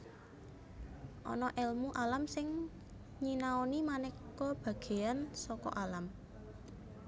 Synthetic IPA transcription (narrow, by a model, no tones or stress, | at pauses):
ʔɔ̰nɔʔɛlmuʔalamsɪŋ | ɲinaonimanɛk | ɔb̥ä̤ɡ̥e̤ansɔkɔ̰ʔalam